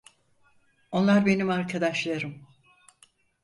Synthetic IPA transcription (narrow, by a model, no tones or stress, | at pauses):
o̞nlˠaɾbe̞nimaɾkʰad̪aʃlˠaɾɯm